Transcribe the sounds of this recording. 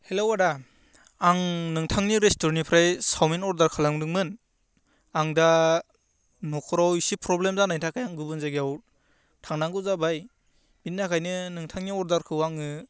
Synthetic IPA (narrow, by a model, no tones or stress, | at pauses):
helawada | aŋnɯŋtʰaŋniɾestɔɾnipʰɾajsawminɔɾdaɾkʰalaŋdɯŋmɯn | aŋda | nɔkʰɔɾawisipɾɔblemzanajntʰakʰajaŋɡɯbɯnzaɡijaw | tʰaŋnaŋɡɯzabaj | binːakʰajnɯnɯŋtʰaŋniɔɾdaɾkʰɯwaŋɯ